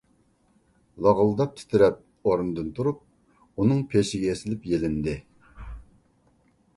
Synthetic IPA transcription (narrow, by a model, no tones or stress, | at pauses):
lˠɑʁəlˠd̪ɑp̚t̪ʰɪ̥t̪ʰɪɾɛp̚ | oɾnɨd̪ɨnt̪ʰuɾup̚ | unɨŋpʰeʃɪɡʲɛesɪlɪpjelɪnd̪ɪ